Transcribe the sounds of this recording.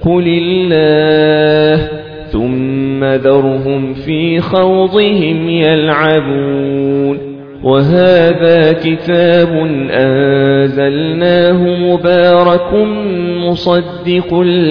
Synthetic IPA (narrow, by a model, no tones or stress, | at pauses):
ʊlɪlːaːh | θʊmːaðɑɾˤɦʊmfiːxɑwd̪ˤɨɦɪmjalʕabuːn | wʔaɦaːðaːkɪt̪aːbʊnʔanzalnaːɦʊmʊbaːɾˤɑkʊmʊsˤɑd̪ːɪq